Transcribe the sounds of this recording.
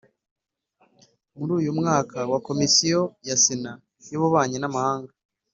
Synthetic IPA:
muɾuːjumŋaːkawako̞misijo̞jasina | joβuβaːɲinamahaːŋɡa

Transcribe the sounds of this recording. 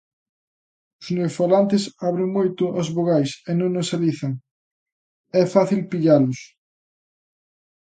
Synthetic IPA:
ʊsnewsfalant̪ɪsaβɾeŋmojt̪ʊʔazβoɣajsenõŋosaliθɐŋ | ɛfaθilpiʎalʊs

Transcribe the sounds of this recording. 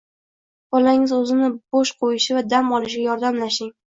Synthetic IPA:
b̥ɒlaɪŋɪzɵzɪnɪboʃqʰojɪʃɪvad̪amɒlˠɪʃ̬ɡʲajɒɾd̪amlaʃɪŋ

